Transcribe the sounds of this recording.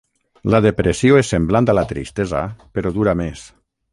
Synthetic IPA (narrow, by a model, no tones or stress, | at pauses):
lað̞epɾesioesːembland̪alat̪ɾḭst̪eza̰peɾoðuɾames